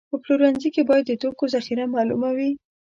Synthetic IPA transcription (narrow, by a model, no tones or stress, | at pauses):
pəploɾanzikebɑjad̪ːət̪okozaxiɾamɑlṵmawi